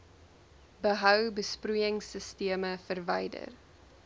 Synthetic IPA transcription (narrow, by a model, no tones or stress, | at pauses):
bəɦœwbəsprujəŋsəstiəməfərvɛjdə̰r